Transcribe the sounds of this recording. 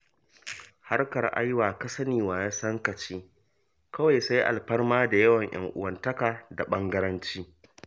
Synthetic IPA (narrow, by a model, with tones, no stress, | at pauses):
ha˦rkɐ˨rʔa̰˦jwaː˨kɐ˦sɐ˦niː˨waː˨˦jaː˦sɐ˦ŋkɐ˨t͡ʃiː˦ | kɐ˦wa˨jsa˦jʔa̰˨lɸɐ˦rmaː˦da˨jɐ˦wɐ˨ɲj̰ʔɐ̰˨˦ŋʔʊ̰˦wɐ˦ntɐ˦kaː˨da˨ɓɐ˦ŋɡɐ˦ɾɐ˦nt͡ʃiː˦